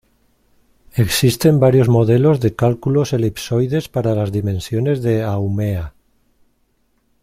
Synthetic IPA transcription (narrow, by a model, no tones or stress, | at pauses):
e̞ksist̪e̞mbaɾjo̞zmo̞ð̞e̞lo̞zðe̞kalkulo̞se̞lipso̞jðe̞spaɾalazðimẽ̞nsjo̞ne̞zðe̞awmea